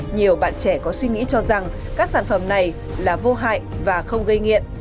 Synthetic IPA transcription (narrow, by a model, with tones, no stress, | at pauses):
ɲi˨˩əwɓa̰ː˧˨nt͡ɕɛ˧˩kɔ˨˦swi˧ŋḭ˧˥t͡ɕɔ˧za˨˩ŋ | kaː˦˥k̚saː˧˩nfə˧˩mna˨˩j | laː˨˩vo˧ɦa̰ː˧˨jvaː˨˩xə˧wŋ͡mɣə˧jŋḭ˧˨ən